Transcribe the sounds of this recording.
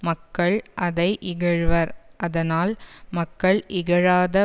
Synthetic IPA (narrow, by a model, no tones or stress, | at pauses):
mɐkːɐɭʔɐðɐɪʔɪɣɐɻʋɐɾʔɐðɐnaːlmɐkːɐɭʔɪɣɐɻaːðɐ